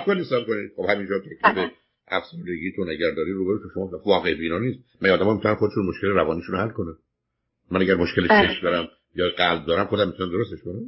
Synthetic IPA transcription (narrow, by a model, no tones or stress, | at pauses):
bkoniːsæbkonixobhæmind͡ʒɒt̪ʰækʰlibe | ʔæfsuɾd̪e̞ɟiːt̪ʰonæɟæɾd̪ɒːɾiːɾuːbæbit̪ʰoʃomɒːvɒːɣebiːnɒːniːst̪mænːd̪æmɒːmit̪ʰunænxo̞d̪eʃunmoʃkeleɾævɒːniːʃunohælkonæ | mænæɡæɾmoʃkʰelet͡ʃʰeʃmd̪ɒːɾæm | jɒːɡælb̚d̪ɒːɾæmxo̞d̪æmːit̪unæmd̪o̞ɾost̪eʃkonæm